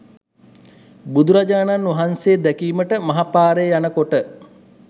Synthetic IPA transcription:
bud̪uɾad͡ʒaːnanʋɐɦanseːd̪ɛkiːməʈəmɐɦapaːɾejanəkoʈə

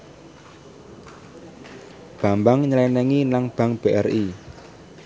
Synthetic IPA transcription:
b̥ä̤mbaŋɲəlɛnɛŋinaŋb̥ä̤ŋb̥eʔɛri

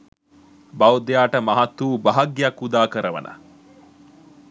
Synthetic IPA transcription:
bɐwd̪ejaːʈəmɐɦɐt̪ːuːbɐɦɐɡjakːud̪aːkəɾɐʋɐ̰nʔɐ̰

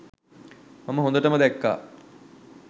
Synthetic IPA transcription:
maməɦond̪əʈəməd̪ækːa̰ː

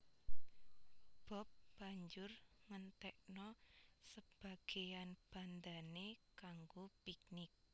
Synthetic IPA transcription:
b̥ɔ̤p̚b̥aɲd͡ʒʊrŋənt̪ɛʔnɔsəb̥a̤ɡ̥e̤janb̥a̤nd̪anekaŋɡopik̚nɪk̚

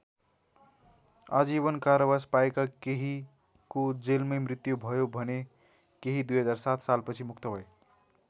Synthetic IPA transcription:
a̰d͡ziβʌnkaɾʌbʌspaekakeɦi | kod͡zelmʌjmrit̪jubʱʌjobʱʌne | keɦid̪ujɦʌd͡zarsat̪ʰsalpʌt͡sʰimukt̪ʌbʱʌe

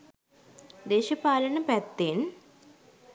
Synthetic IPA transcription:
d̪eːɕɐpaːlɐnɐpɛt̪ːeːn

